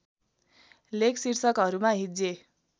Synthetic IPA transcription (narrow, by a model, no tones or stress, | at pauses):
lekʰsirsʌkɦʌɾumaɦid͡ze